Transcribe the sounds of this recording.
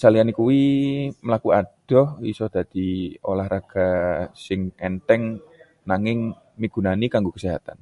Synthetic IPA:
salianikuwiməlakuad̪̥ɔhisɔd̥̪ad̪̥iolahɾaɡ̥asɪŋɛnt̪ɛŋ | naŋɪŋ | miɡ̥ṳnanikaŋɡukəsiɦa̰t̪a̰n

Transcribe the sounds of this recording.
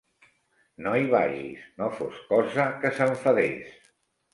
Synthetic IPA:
nojβa̰ʒḭsnofoskɔzəkəsəɱfəðḛs

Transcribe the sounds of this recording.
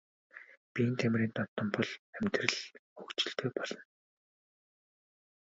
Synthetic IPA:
pʲiːnt̪ʰæmrʲiːnt̪ɔt̪ɞ̆mpɔɮæmʲt̪rɘ̆ɮɵkt͡ɕɪ̆ɬt̪eːpɔɮ̥ɞ̆n

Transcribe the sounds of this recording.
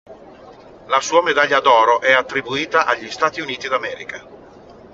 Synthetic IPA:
lasuːamed̪aʎːad̪ɔːɾoʔɛat̪ːɾibuiːt̪aʔaʎːist̪aːt̪iuniːt̪id̪amɛːɾika

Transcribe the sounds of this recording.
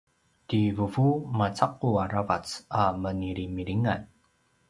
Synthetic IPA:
tivuvumat͡saquaɾavat͡saməniɾimiɾiŋan

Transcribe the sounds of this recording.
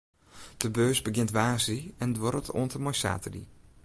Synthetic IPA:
d̥əbøːsbəɡɪntʋaːsiɛndʋɔɾətʰo̰əntəmɔjsa̰ːtədḭ

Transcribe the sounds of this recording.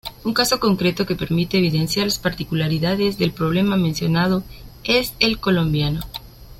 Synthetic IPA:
uŋkaso̞ko̞ŋkɾe̞t̪o̞ke̞pe̞ɾmit̪eːβ̞iðe̞nsjaɾlaspaɾt̪ikulaɾiðaðe̞zðe̞lpɾo̞β̞le̞mamẽnsjo̞nað̞o̞ese̞lko̞lo̞mbjano

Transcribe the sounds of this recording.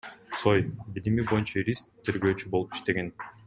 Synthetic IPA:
so̞jbilimibo̞junt͡ʃayɾʲistt̪ʰːe̞ɾɡø̞ːt͡ʃybo̞lˠupi̥ʃt̪e̞ɡen

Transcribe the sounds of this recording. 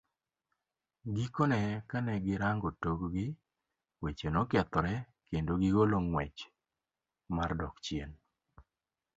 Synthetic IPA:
ɡikonɛkanɛɡɪɾaŋɡotoɡɡɪ | wet͡ʃenokɛt̪ɔɾɛ | kendoɡiɡoloŋwɛt͡ʃ | mardɔkt͡ʃjen

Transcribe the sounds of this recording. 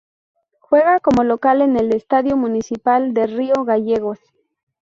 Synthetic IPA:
xwe̞ɣako̞mo̞lokalene̞lest̪aðjo̞munisipald̪erio̞ɣaʝeɣos

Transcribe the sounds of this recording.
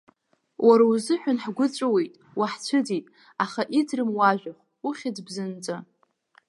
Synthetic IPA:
wʔaɾauzɨħʷᶣanħɡʷʊt͡sʷʼawe̞jtʼ | waħt͡ɕʷʰɨd͡zitʼ | aχaʔidrɨmwaʒᶣaχʷ | uχʲad͡zbzɨnt͡sʼa

